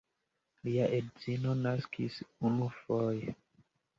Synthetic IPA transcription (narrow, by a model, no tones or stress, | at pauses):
liaʔedzinonaskʰisunufoje